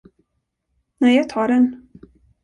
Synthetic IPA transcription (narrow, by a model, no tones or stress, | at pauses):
næjɑɡ̚t̪ʰɑːɖɛn